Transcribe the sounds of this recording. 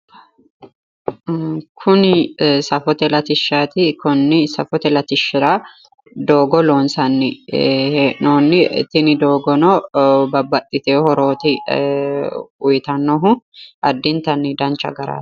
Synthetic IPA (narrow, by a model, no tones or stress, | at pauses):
kʰʊnsɐfɔt̪ɛlɐt̪ɪʃːaːt̪ɪkʊnːɪsɐfɔt̪ɛlɐt̪ɪʃːɪɾaː | d̪o̞ːɡɔlo̞ːnsɐnːɪhenoːnːɪ̰t̪ːɪnɪd̪o̞ːɡɔnoːbɐbːɐt̪ʼːɪt̪eːhɔɾo̞ːt̪ɪ | ʊjt̪ɐnːɔɦʊɐd̪ːɪnt̪ɐnːɪd̪ɐnt͡ʃɐ̰ɡɐɾa̰̥ː